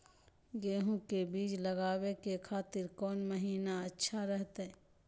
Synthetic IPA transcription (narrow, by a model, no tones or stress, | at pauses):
ɡeːɦũkebiːd͡ʒləɡaːwekekʰaːt̪ɪɾkɔːnməɦiːnaətːʃʰaɾəɦt̪ɛ